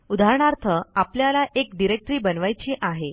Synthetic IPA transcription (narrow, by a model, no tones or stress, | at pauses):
ud̪ʱaɾɳaɾt̪ʰəapljalaʔekɖiɾek̚ʈɾiːbənʋajt͡ɕiːʔaɦe